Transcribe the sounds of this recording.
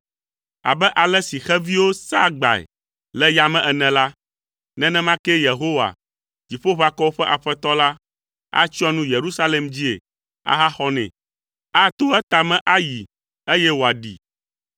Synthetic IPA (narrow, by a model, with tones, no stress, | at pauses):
a̰˨bɛ˦ʔa˨lɛ˦si˨xɛ˦vi˦wo˦sa˦ɡ͡ba̰˨ɛ̰˨ | lɛ˦ja˦mɛ̃˦ʔɛ˨nɛ̃˨la˦ | nɛ̃˦nɛ̃˦mã˦kɛ˦je˨ɦo˦wa̰˨ | t̪i˨ɸo˦βa˨kɔ˦wo˦ɸɛ˦ʔa˨ɸɛ˦t̪ɔ˦la˦ | a̰˦t͡ʃɔ˦nũ˦je˨ɾu˦sa˦le˨md͡ʑi˦ḛ˨ | a̰˦ɦa˦xɔ˦nɛ̰̃˨ | a˦t̪o˦ɛ˦t̪a˨mɛ̃˦ʔa˦ji˨ | e˦jɛ˦wo˨a˨ɖḭ˨